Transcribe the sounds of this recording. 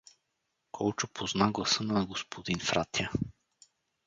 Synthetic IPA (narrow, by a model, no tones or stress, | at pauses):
kʰɔlˠt͡ʃopʰoznaɡlˠɐsɤnɐɡospʰod̪infɾat̪jə